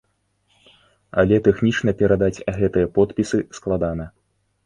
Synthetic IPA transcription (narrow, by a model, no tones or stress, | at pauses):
ɐ̰lʲɛt̪ɛxnʲit͡ʂn̪ɐpʲɛɾad̪at͡sʲɣɛt̪ɨjɐpɔt̪̚pʲisɨsklˠad̪anɐ